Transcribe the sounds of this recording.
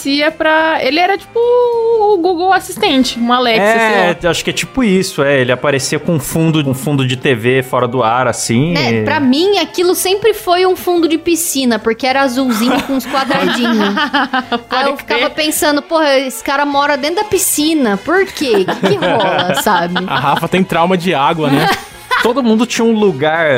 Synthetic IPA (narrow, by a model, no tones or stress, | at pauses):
siɐpɾɐelɪɛɾɐt͡ʃi̥pʊː | ɡuɡowasist̪ẽnt͡ʃɪũmalɛksɛɐɛaʃʊ̥kɪɛt͡ʃipʊisʊɛelɪapaɾesiɐkõũfũnd̪ʊũfũnd̪ʊd͡ʒɪt̪evefɔɾɐd̪ʊaɾasĩnɛpɾɐmĩakilʊsẽpɾɪfojũfũnd̪ʊd͡ʒɪpisĩnɐpoɾkeɛɾɐazuwzĩɲʊkõɪskwad̪ɾad͡ʒĩɲʊ | aewfi̥kavɐpẽsɐ̃nd̪ʊpohɐesɪ̥kaɾɐmɔɾɐd̪ẽt̪ʊd̪ɐpisĩnɐpoɾkeɪkɪɦɔlɐssabɪa̰ɦafɐt̪ẽj̃t̪ɾawmɐd͡ʒɪaɡwɐnɛ | t̪od̪ʊmũnd̪ʊt͡ʃĩɲɐũluɡaɾ